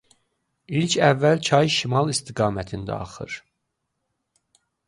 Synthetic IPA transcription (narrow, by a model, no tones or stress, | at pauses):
ilcʰævːælt͡ʃʰɑjʃimɑlˠist̪ʰiɡɑːmæt̪ʰind̪æ̰ɑ̰χɯ̰ɾ̥